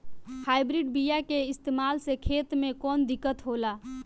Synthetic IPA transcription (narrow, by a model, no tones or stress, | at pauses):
haːɪbɾɪɖbijakeɪst̪eːmaːlsekʰeːt̪mẽkɔːnd̪ɪkːət̪ɦoːlaː